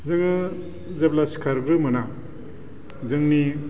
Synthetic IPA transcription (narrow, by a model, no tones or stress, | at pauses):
zɯŋɯ | zeblasi̥kʰaɾɡɾɯmɯna | zɯŋni